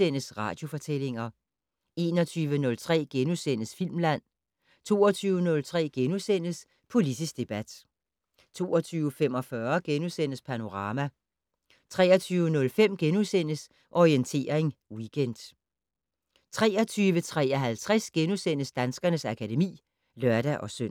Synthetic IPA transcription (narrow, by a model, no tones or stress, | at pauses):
enəsʁɑ̈ːd̥jo̝fɒ̽t͡sʰel̰e̝ŋɐ | e̝ːnɒ̽t͡sʰyːʋənɔ̽lt͡sʰʁɛ̰ːɡ̥enusen̰əsfil̰mlæn̰ | t͡sʰo̝̰ːɒt͡sʰyːʊənɔ̽lt͡sʰʁɛ̰ːɡ̥enusen̰əs | pʰo̝lidʰisɡ̥̚d̥e̝b̥æd̥ | t͡sʰo̝̰ːɒt͡sʰyːʊəfem̰ɒ̽fɶɐɡ̥enusen̰əspʰæno̝ʁɑ̈ːmæ | t͡sʰʁɛ̰ːɐt͡sʰyːʊənɔ̽lfem̰ɡ̥enusen̰əs | ʔɒʁient͡sʰe̝̰ːɐeŋwiɡ̥ʰen̰d̥ | t͡sʰʁɛːɒ̽t͡sʰyːʋət͡sʰʁɛ̰ːɐɦælt͡sʰʁɛsɡ̥enusen̰əsd̥ænsɡ̥ɐnəsækʰæde̝mḭː | lɶɐɾ̥æʔɒ̽søn̰